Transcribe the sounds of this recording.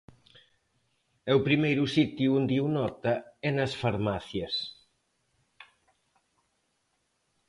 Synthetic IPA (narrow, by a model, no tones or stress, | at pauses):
ɛupɾimejɾusit̪juund̪iunɔt̪ɐɛnɐsfaɾmaθjɐs